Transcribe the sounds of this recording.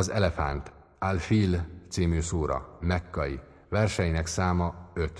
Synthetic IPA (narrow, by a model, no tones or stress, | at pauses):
ɒzɛlɛfa̰nt̪ | alfilt̪siːmyːsoːɾɒ̰mɛkːɒji | vɛrʃɛjinɛksaːmɒøt̪